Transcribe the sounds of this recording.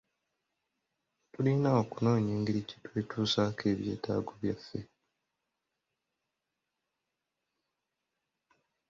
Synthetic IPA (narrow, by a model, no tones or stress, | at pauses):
tuliːnaokuno̞ːɲeːŋɡiɾici̥twe̞ːtuːsakʰe̞ːβje̞̰ːta̰ːɡoβjafːe̞